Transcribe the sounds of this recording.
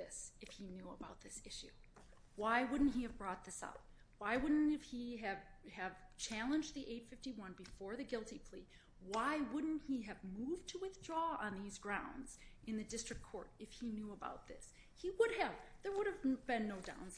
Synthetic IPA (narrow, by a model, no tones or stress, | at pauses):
ɪsɨfhinjuəbaʊt̪̚ðɪsɪʃʉ | waɪwʊdⁿn̩thiɨvbɹɔt̪̚ðɪsa̰ʊt̚ | waɪwʊdⁿn̩tɨfhiɨv̥ɨv̥t͡ʃʰælˠə̃nd͡ʒðiʔeɪtfɪftiwʌ̃nbɨfɔɹðɨɡɪlˠtipʰl̥i | waɪwʊdⁿn̩thiɨvmuvtʰəwɨθdɹɔə̰̃nðizɡɹãʊ̃ndz̥ɨ̃nðɨdɪstɹ̥ɨkʰːɔ̰ɹɾɨfhinjuəba̰ʊt̪̚ðɪ̰s | hiwʊɾɨvðə˞wʊɾɨvbɨ̃nːoʊdã̰ʊ̃ns